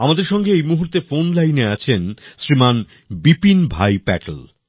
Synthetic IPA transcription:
amad̪eɾʃɔŋɡeejmuɦuɾt̪efonlajneat͡ɕʰensɾiman | bipinbʱajpɛ̰ʈl

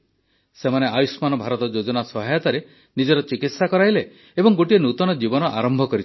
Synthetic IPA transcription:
semaneajusmanɔbʱaɾɔt̪ɔd͡ʒod͡ʒɔnasɔɦajɔt̪aɾe | nid͡ʒɔɾɔt͡ʃikit̪sakɔɾajle | ebɔŋɡoʈienut̪ɔnɔd͡ʒibɔnɔʔaɾɔmbʱɔkɔɾi

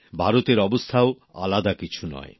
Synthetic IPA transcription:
bʱaɾot̪eɾɔbost̪ʰao | a̰lad̪akit͡ɕʰunɔ̰e

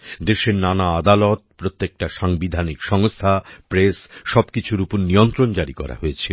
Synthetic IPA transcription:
d̪eʃeɾnanaad̪alɔt̪̚pɾot̪ːek̚ʈaʃaŋbid̪ʱanikʃɔŋst̪ʰapɾesʃɔbkit͡ɕʰuɾupuɾnijont̪ɾond͡ʑaɾikɔ̰ɾa̰ɦoet͡ɕʰe

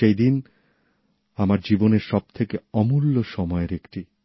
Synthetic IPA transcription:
ʃejd̪in | amaɾd͡ʑiboneɾʃɔb̚t̪ʰekeɔmulːoʃɔmɔeɾekʈi

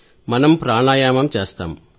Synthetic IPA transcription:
mɐnɐmpɾaːɳaːjaːmɐmt͡ʃeːst̪a̰ːm

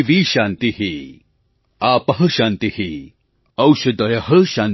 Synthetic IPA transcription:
ʋiːʃãːnt̪iɦi | aːpɐɦɐʃãːnt̪ihi | ɐwʃɐd̪ɐjɐɦɐʃãːn

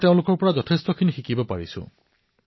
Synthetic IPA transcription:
teʊ̃lʊkɔɹpɔɹazɔtʰestɔkʰinixikibɔpa̰ɹḭsṵ̃

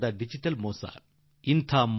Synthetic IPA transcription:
d̪ɐɖid͡ʒiʈɐlmoːsa̰ː | int̪ʰaːm

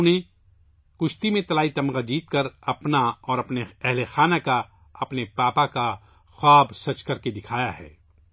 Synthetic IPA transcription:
ne | kʊʃt̪imẽt̪ɐlaːit̪ɐmɡad͡ʒiːt̪kɐɾɐpnaɔːɾɐpneɛɦlexaːnaka | ɐpnepaːpaka | xaːbsɐt͡ʃkɐɾked̪ɪkʰaːjaɦɛ̰ː

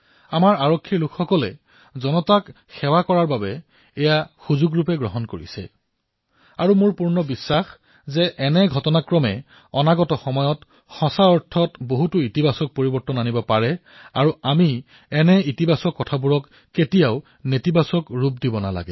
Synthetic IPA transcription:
amaɹaɹɔkʰːiɹlukʰxɔkɔlɛ̰ | zɔnɔtak | xɛwakɔɹaɹbabɛ | ɛjaxuzuɡɹupɛɡɹɔɦɔnkoɹḭsɛ̰ | aɹumʊɹpuɹnɔbisːax | zɛʔɛnɛɡʱɔtɔnakɹɔmɛ | ɔnaɡɔtɔxɔmɔjɔt | xɔsaɔɹtʰːɔtboɦutuitibasɔk̚poɹibɔɹtɔnanibɔpaɹɛ | aɹuami | ɛnɛitibasɔkːɔtʰabuɹɔkː | etijaʊ | netibasɔkɹup̚dibɔna̰la̰ɡɛ̰

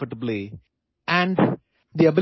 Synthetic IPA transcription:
fɪʈəbli | æ̃ɳɖ | d̪iəbɪ

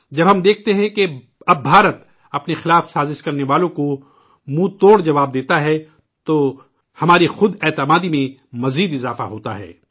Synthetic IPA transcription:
d͡ʒɐbɦɐ̃md̪eːk̚ʰt̪eɦɛ̃ke | ɐbːʱaːɾət̪ | ɐpnexɪlaːfsaːzɪʃkɐɾneʋaːlõko | mũːt̪oːɽd͡ʒɐʋaːb̚d̪eːt̪aɦɛ | t̪o | hɐmaːɾixʊd̪ɛːt̪ɪmaːd̪imẽmɐziːd̪ɪzaːfa̰ɦoːt̪a̰ɦɛ̰ː

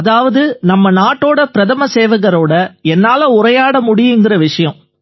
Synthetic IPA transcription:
ɐðaːʋɐðɯnɐmːɐnaːʈːoːɽɐpɪɾɐðɐmɐseːʋɐɣɐɾoːɽɐɛnːaːlɐʊɾɐjaːɽɐmʊɽɪjɯŋɡɪrɐʋɪʂɐjɐ̃m

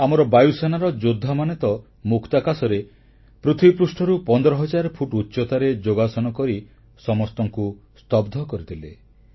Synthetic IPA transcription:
amɔɾɔbajusanaɾɔd͡ʒod̪ʱːamanet̪ɔ | mukʰt̪akasɔɾe | pɾut̪ʰwipɾusʈʰɔɾupɔnd̪ɔɾɔɦɔd͡ʒaɾpʰuʈutːʃɔt̪aɾed͡ʒoɡasɔnɔkɔɾi | sɔmɔst̪ɔŋku | st̪ɔbd̪ʱɔkɔɾit̪ʰile

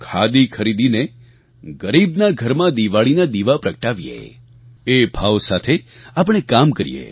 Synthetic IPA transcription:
kʰad̪ikʰəɾid̪ine | ɡəɾibnaɡʱəɾmãd̪iʋaɭinad̪iʋapɾəkəʈaʋjḛ | ebʱaʋsat̪ʰeap̬əɽ̃ekamkəɾḭjḛ

